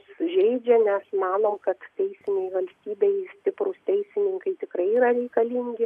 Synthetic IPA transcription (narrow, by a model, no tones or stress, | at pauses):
ssʊʒʲɛɪd͡ʒʲɛnʲɛsmɑːnoːmkɐt̪tʲɛɪsʲɪnʲɛɪʋɐlʲsʲt̪ʲiːbʲɛɪsʲt̪ʲɪpɾʊːst̪ʲɛɪsʲɪnʲɪŋkɐɪt̪ʲɪkɾɐɪiːɾɐɾʲɛɪkɐlʲiːŋʲɡʲɪ